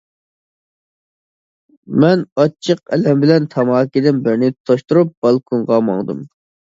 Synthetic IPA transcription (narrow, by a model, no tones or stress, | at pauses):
mɛnɑt͡ʃʰːəq̚ɛ̰lɛmbɪlɛnt̪ʰɑmɑːkʲid̪ɪnbɪɾnɪt̪ʰoʃt̪uɾup̚b̥ɑlˠkʰuŋʁɑmɑ̰ŋd̪ɨ̰m